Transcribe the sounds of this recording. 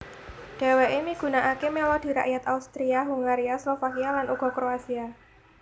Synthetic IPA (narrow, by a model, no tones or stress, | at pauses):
ɖ̥e̤weʔemiɡ̥ṳnaʔakemelɔd̥i̤ɾa̰ʔjat̪aust̪ɾiaɦuŋaɾiaslɔfakialanʔuɡ̥ɔ̤kɾoasia